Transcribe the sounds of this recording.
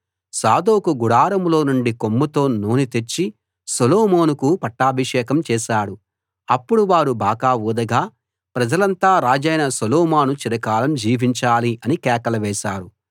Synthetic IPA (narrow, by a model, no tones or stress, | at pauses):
saːd̪oːkuɡuɽaːɾɐmlo̞ːnuɳɖikomːut̪o̞ːnoːnit̪et͡ʃːi | soloːmo̞ːnukupɐʈːaːbʱɐʂɛːkɐmt͡ʃɛːʃaːɽu | ɐpːuɽuʋaːɾubaːɡaːuːd̪ɐɡaː | pɾɐd͡ʒɐlɐnt̪aːɾaːd͡ʒɐjnɐsoloːmaːnut͡ʃiɾɐkaːlɐmd͡ʒiːʋiɲt͡ʃaːliʔɐnikɛːkɐlɐʋɛːʃaːɾu